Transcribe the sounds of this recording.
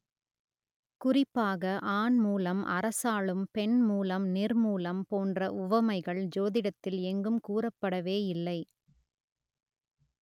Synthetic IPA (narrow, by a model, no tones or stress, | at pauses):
kʊrɪpːaːɣɐʔaːnmuːlɐmʔɐ̰ɾɐsaːɭɯmpɛnmuːlɐmnɪrmuːlɐmpoːndrɐʔʊʋɐmɐɪɣɐɭd͡ʒoːðɪɽɐt̪ːɪlɛŋɡɯmkuːrɐpːɐɽɐʋeːɪlːɐɪ